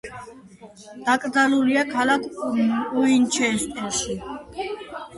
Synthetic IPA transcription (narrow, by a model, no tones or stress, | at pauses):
d̪̥akʼd̪aluliakʰalakʰuint͡ʃʰɛːst̪ʼɛlʃi